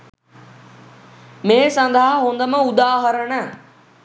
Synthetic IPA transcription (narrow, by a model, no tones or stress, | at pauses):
mẽːsɐnd̪ʱaɦɐɦoːnd̪əməud̪aːɦəɾənə